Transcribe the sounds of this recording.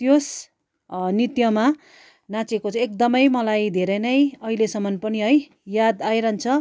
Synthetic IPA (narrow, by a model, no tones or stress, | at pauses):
t̪jos | nit̪jʌma | nãt͡sekot͡sʰʌek̚d̪ʌmʌjmʌlajd̪ʱeɾʌjnʌjʌɦilesʌmʌnpʌniɦʌj | jad̪ajɾʌnt͡sʰʌ